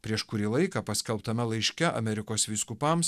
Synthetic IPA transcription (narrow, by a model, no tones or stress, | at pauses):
pʲɾʲiɛʃkʊɾʲiːlˠɐɪkɐpɐsʲkʲɛlˠpt̪ɐmʲɛlˠɐɪʃʲkʲɛɐ̰mʲɛɾʲɪkoːsʋʲɪskʊpɐms